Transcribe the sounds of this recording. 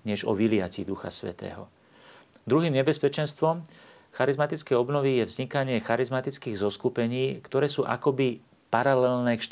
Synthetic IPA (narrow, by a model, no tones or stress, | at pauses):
ɲɛʒɔ̰ʋilɪacḭd̪uxa̰sʋɛ̰t̪ɛ̰ːɦɔ̰ | d̪ɾuɦiːmɲɛbɛspɛt͡ʃɛnst̪ʋɔm | xaɾizmat̪it͡skɛjɔbnɔʋijɛvzɲikaɲɪɛxaɾizmat̪it͡skiːɣzɔskupɛɲiːkt̪ɔɾɛːsuːʔa̰kɔbi | paɾalɛlnɛːkʃ